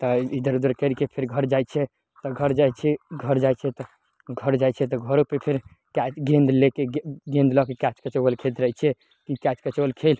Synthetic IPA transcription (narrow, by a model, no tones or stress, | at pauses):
t̪ɔid̪əɾud̪əɾkəɾikepʰeɾɡʱəɾd͡ʒajt͡ʃʰɛ | t̪ɔɡʱəɾd͡ʒat͡ʃʰɛɡʱəɾd͡ʒajt͡ʃʰɛt̪ɔ | ɡʱəɾd͡ʒajt͡ʃʰɛt̪ɔɡʱəɾopepʰeɾ | kat͡ʃɡẽnd̪lekeɡẽnd̪lɔkekat͡ʃkət͡ʃəwəlkʰelt̪ɾəjt͡ʃʰɛ | kikat͡ʃkət͡ʃəwəlkʰel